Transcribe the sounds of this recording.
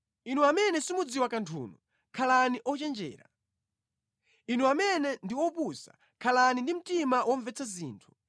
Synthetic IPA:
inuamɛnɛsimud͡ziwakantʰṵːnɔ | kʰalaniʔɔt͡ʃɛnd͡ʒɛ̰ːɾa̰ | inuamɛnɛndiwɔpusa̰ | kʰalanindim̩timawʔɔɱvɛt͡sʰazḭːntʰu̥

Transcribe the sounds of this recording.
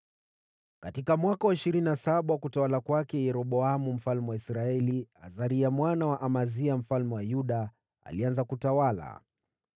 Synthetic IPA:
katikamwakawaiʃiɾininasaɓawakutawalakwakɛjɛɾɔɓɔamum̩falmɛwaisɾaɛlia̰zaɾiamwanawaʔamaziam̩falmɛwajuɗa | a̰lianzakutawala̰

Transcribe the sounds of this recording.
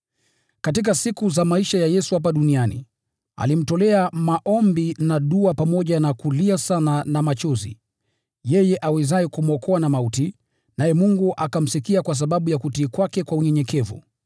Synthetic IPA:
katikasikuzamaiʃajajɛsuhap̬aɗunianḭ | a̰lim̩tɔlɛamaʔɔmbinaɗuapamɔʄanakuliasananamat͡ʃɔzḭ | jɛjɛʔawɛzaɛkumɔkʰɔanamauti | najɛmuŋɡuʔakam̩sikiakwas̬aɓaɓujakutiːkwakɛkwauɲɛɲɛkɛvṵ

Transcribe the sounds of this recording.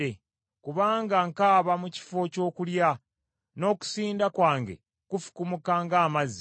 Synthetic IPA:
e | kuβaːŋɡaŋkaːβamuci̥fo̞co̞ːkulja | no̞ːku̥siːndakwaːŋɡe̞̰ | kufu̥kumukaːŋɡaːmazi

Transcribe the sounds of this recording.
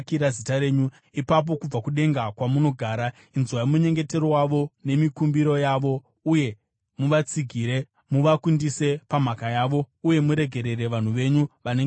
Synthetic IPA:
kiɾazitaɾe̞ːɲu | ipap̬o̞kub͡vakuɗe̞ŋɡakwamuno̞ɡʱaːɾa | inzwaimuɲe̞ŋɡe̞te̞rowaʋo̞ne̞mikumbiɾo̞jaːʋo̞ | uje̞ | muʋat͡siɡʱiːɾe̞ | muʋakundise̞pam̤akajaːʋo̞ | uje̞muɾe̞ɡʱe̞ɾe̞re̞ʋan̤uʋe̞ɲuʋaneŋ

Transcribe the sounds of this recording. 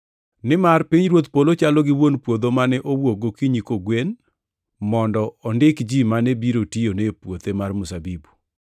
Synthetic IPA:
nɪmarpiɲɾwot̪polot͡ʃalɔɡɪwonpwod̪omanɛʔowoɡokiɲikoɡwen | mɔndɔːndɪkd͡ʒimanɛbiɾotionepwot̪emarmʊsabibu

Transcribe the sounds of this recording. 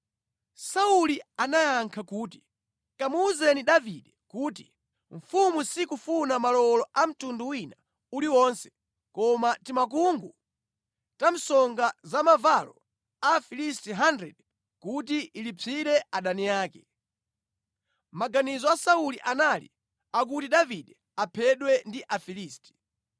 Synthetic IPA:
saulianajaŋkʰakuːti̥ | kamuːzɛniɗaviɗɛkuːtḭ | ɱ̩fumusikufunamalɔlɔʔam̩tunduwina | uliwɔnsɛ̥ | kɔmatimak̬uŋɡu | tam̩sɔŋɡazamavalɔ̰ | afilistiɦandɾɛ̰d | kut̬iilipʰiɾɛʔaɗanijaːkɛ | maɡanizɔasauliʔanalḭ | ak̬utiɗaviɗɛ | apʰɛɗwɛndiʔafiliːsti̥

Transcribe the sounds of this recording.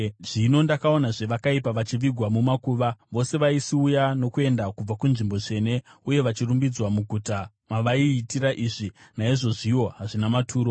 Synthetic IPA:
ʐ̥ino̞ndakao̞naʐe̞ʋakaipaʋat͡ʃiʋiɡʱwamumakuːʋaʋo̞se̞ʋaisiujano̞kue̞ndakub͡vakunʐimbo̞t͡ʃe̞ne̞uje̞ʋat͡ʃirumbid͡zwamuɡʱuta | maʋaiːtiɾaʔiːʐinaiʐo̞ʐiʋo̞ɦaʐinamatʰuːɾo̞

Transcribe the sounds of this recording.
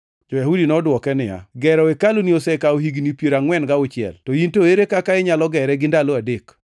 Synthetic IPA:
d͡ʒɔjaɦudinɔdwɔkɛnɪja̰ɡɛɾɔekaloniosɛkaoɦiɡnipjeɾaŋwɛnɡaʊt͡ʃɪɛ̰ltɔintoeɾekakaɪɲalɔɡɛɾɛɡɪndaloadek

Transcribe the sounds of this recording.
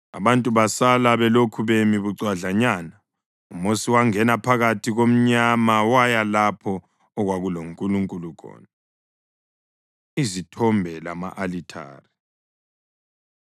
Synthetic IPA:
a̰βantʼuβasalaβɛlokʰuβemiβuǀwaɮaɲaːna | umosiwaŋɛnapʰaɣatʰiɣom̩ɲamawajalapʰɔː | ɣwaɣuloŋkʼuluŋkʼulukʰɔ̰ːna | izitʰɔmbʱɛla̰ma̰ʔalitʰa̰ːri

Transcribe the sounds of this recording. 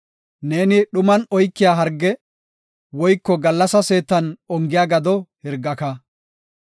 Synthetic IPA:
neːnɪɗʊmɐnɔjkːɪjaːɦɐɾɡːɛ | wɔjkːɔɡɐlːɐsɐse̞ːt̪ːɐnɔŋɡɪjaːɡɐd̪ɔhɪɾɡːɐkɐ

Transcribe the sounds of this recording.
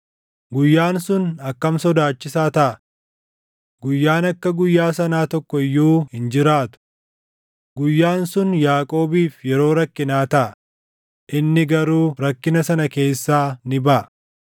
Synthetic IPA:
ɡʊjːaːnsʊnɐkːɐmsɔd̪aːt͡ʃːɪsaːt̪ɐʔɐ | ɡʊjːaːnɐkːɐɡʊjːaːsɐnaːt̪ɔkːɔɪjːuːhɪnd͡ʒɪɾaːt̪ʊ̥ | ɡʊjːaːnsʊnjaːkʼo̞ːbiːfjɛɾo̞ːɾɐkːɪnaːt̪ɐʔɐ | ʔɪnːɪɡɐɾuːɾɐkːɪnɐsɐnɐke̞ːsːaːnɪbɐʔɐ

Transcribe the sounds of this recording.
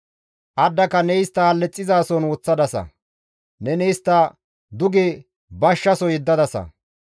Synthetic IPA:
ʔɐd̪ːɐkɐnɛjɪst̪ːɐhɐlːɛt͡sʼːɪzaːsɔnwɔt͡sːɐd̪ɐsɐ̰ | nɛnɛjɪst̪ːɐ | d̪ʊɡe | bɐʃːɐsɔjɪd̪ːɐd̪ɐsɐ̰

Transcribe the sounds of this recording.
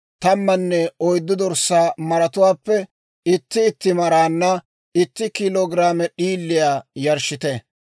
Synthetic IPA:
t̪ɐmːɐnːɛɔjd̪ːʊd̪ɔɾsːaːmɐɾɐt̪ʊwaːpːɛ | ɪt̪ːɪːt̪ːɪmɐɾaːnːɐ | ɪt̪ːɪkɪloːɡɾaːmɛɗiːlːɪjaːjɐɾʃɪt̪ɛ

